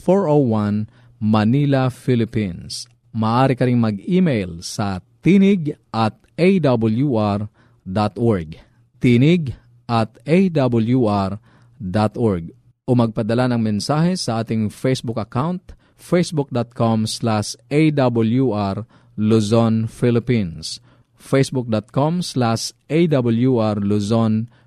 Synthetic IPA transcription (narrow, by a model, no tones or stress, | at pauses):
foɹʔowan | mɐniːlafilɪpins | mɐaːʔaːɾɪkɐɾɪŋmɐɡiːmejlsɐt̪iːnɪɡʔɐt̪̚ʔejd̪abɐljuʔɾ | d̪at̪ʔoɹɡ̚ | t̪iːnɪɡ | ʔɐt̪ʔejd̪abʊljuʔaɹ | d̪at̪oɹɡ̚ | ʔomɐɡ̚pɐd̪ɐlanɐŋmɛnsaːhɛsɐʔaːt̪ɪŋfejsbʊkɐkawnt̪ | fejsbʊk̚d̪at̪̚kʰomslaʃʔejd̪abʊljuʔaɾ | lusonfɪlɪpins | fejsbʊk̚d̪at̪̚komslaʃʔejd̪abʊljuʔaɾluson